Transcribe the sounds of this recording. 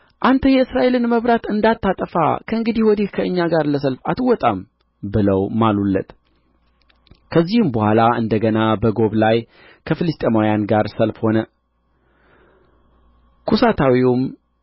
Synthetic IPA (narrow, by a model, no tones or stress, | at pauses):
ʔant̪ʰəjɛɨsɾaʔe̞lɨnməβɾat̪ɨnd̪at̪ːat̪ʼəfa̰kʰəɨŋɡɨd̪ihwɔd̪ihkʰəʔɨɲːaɡaɾləs̬əlfat̪ʰɨwɔt̪ʼam | bɨləwmalulːə̰t̪ | kʰəzːihɨmbəhʷalaʔɨnd̪əɡənabəɡo̞βlaj | kʰəfɨlɨst̪ʼemajanɡaɾsəlfho̞nə | kʰusat̪ʰawium